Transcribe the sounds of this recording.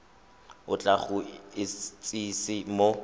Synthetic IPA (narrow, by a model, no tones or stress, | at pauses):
ʊt͡ɬʼaχʊɪt͡sʼisɪmo